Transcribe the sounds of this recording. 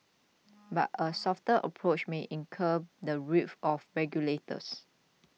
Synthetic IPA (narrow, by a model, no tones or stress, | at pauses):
ba̰təsɔftəʔə̰pʰɹot͡ʃmeʔĩnkʰəb̚dəɹifɔfɹɛɡjuletə̰s